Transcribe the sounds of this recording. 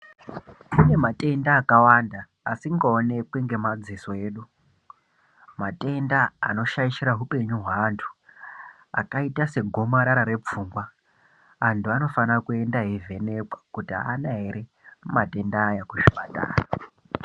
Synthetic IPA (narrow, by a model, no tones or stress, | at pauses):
pune̞matʼe̞ndaːkawandaː | siŋɡaone̞kweŋɡe̞mad͡ziso̞e̞ːɗu | matʼe̞nda̰ːno̞ʃaiʃiɾaɦupe̞ɲuɦwaːntʰu̥ | a̰kaitase̞ɡʱo̞maɾaɾaɾe̞p͡fuːŋɡwa | antʰuano̞fanakue̞ndaɦivʱe̞ne̞kwḁkutianaɦeɾe̞ | matʼe̞ndaːjakuʃi̥ɓata̰ːra